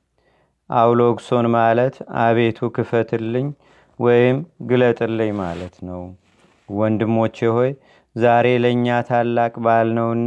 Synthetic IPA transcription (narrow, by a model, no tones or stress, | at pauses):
ʔawlo̞ɡso̞nmalət̪a̰βe̞t̪ʰukʰɨfət̪ʰɨlːɨɲː | wɔjɪmɡɨlət̪ʼɨlːɨɲːma̰lət̪nəw | wɔnd̪ɨmːo̞t͡ʃːjɛho̞j | zaɾe̞ləɨɲːat̪ʰalːakʼbalnəwɨnː